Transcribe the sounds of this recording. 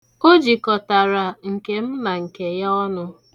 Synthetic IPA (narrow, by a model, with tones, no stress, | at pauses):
o˦d͡ʒi˨kɔ˨ta˨ɾa˨ŋ̩˨ke˨m̩˦ma˨ŋ̩˨ke˨jɔ˦nʊ˦